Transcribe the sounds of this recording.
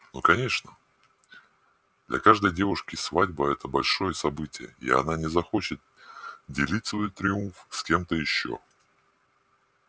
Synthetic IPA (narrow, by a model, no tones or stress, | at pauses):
no̰kɐnʲe̞ʂnə | d̪lʲɐ̰kaʐd̪əjdʲe̞vʊʂkʲɪsvadʲbəɛt̪əbɐlʲʂo̞jəsɐbɨtʲɪjə̰ɪ̰ɐ̰nanʲɪzɐxot͡ɕɪt̪̚dʲɪlʲitʲsvo̞jt̪ɾʲɪunfskʲe̞mt̪əjɪɕːo̰